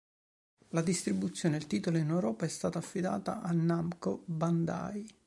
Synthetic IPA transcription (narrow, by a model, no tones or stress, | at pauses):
lad̪ist̪ɾibut̪sːjoːneelt̪iːt̪oloinɛwɾɔːpaɛst̪aːt̪aːfːid̪a̰ːt̪a̰ʔanːamkoband̪a̰j